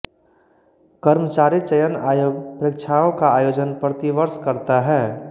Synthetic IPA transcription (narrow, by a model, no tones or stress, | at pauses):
kəɾmət͡ʃaːɾit͡ʃəjənaːjoːɡpɾekt͡ʃʰaõkaaːjoːd͡ʒənpɾət̪iʋəɾskəɾt̪aɦɛː